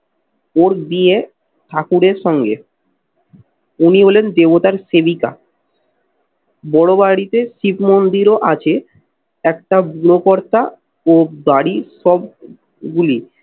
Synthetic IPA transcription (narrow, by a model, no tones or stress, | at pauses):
oɾb̪ie | ʈʰakuɽeɾʃɔŋɡḛ | uniɦolend̪ebot̪aɾsebika̰ | bɔɽobaɽit̪eʃipmond̪iɾoʔat͡ɕʰe | ɛkʈabuɽokoɾt̪a | od̪aɽiʃɔb̚ | ɡuli